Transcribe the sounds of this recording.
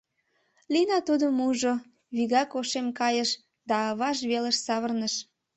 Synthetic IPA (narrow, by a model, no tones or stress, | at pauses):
linɑt̪ud̪əmuʒo | βiɣɑkoʃemkɑjəʃ | d̪ɑːβɑʃβeləʃsɑβərnəʃ